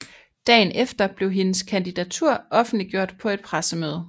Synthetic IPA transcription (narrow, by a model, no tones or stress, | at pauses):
d̥ɛ̰ːnefd̥ɐb̥le̝ʊɦe̝nəskʰænd̥id̥æt͡sʰuɐ̰ʔɒ̽fn̩d̥liɡ̥jo̝ɐ̰d̥pʰɒ̽e̝d̥̚pʰʁasəmøːð̞ˠ